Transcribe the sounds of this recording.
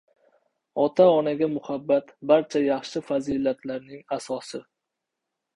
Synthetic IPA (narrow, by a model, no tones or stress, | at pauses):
ɒt̪ʰaɒnaɡʲamʊhabːat̪baɾt͡ʃʰajɑχʃɪfazilat̪ʰlaɾnɪŋasɒsɪ